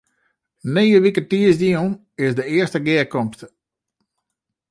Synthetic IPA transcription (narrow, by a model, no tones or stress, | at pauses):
neːəʋikətiəsdiun | ɪsdəɪəstəɡɪəkɔmstə